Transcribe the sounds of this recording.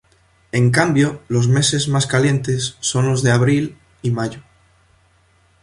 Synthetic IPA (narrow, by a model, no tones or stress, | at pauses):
e̞ŋkambjo̞lo̞zme̞se̞zmaskaljẽ̞nt̪e̞sːo̞nlo̞zðeaβ̞ɾil | imaʝo